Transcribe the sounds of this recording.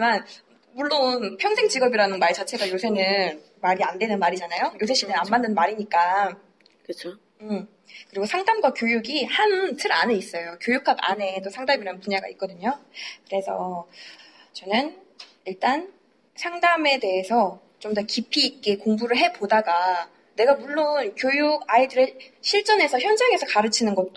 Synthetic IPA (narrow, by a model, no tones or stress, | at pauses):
iman | muɭːonpʰjʌŋsʰeŋd͡ʑiɡʌbiɾanɯnmaɭt͡ɕat͡ɕʰe̞ɡajosʰe̞nɯn | maɾiandwe̞nɯnmaɾid͡ʑanajojosʰe̞ɕ͈inɯnammːandɯnmaɾiɲik͈a | kɯt͡ɕʰo | ɯm | kɯɾiɡosʰaŋdamɡwakjojuɡihantʰɯɾa̰ne̞is͈ʌjokjojukʰaba̰ne̞tosʰaŋdamiɾanɯnpuɲaɡa̰ik͈ʌdɯɲokɯɾe̞sʰʌ | t͡ɕʌnɯn | iɭt͈an | sʰaŋdame̞de̞ɦesʰʌ | t͡ɕomdʌkipʰiːk͈ekoŋbuɾɯɭɦe̞podaɡa | ne̞ɡamuɭːonkjojuɡaidɯɾeɕʰiɭt͡ɕ͈ʌne̞sʰʌçjʌnd͡ʑaŋe̞sʰʌkaɾɯt͡ɕʰinɯnɡʌt̚t͈o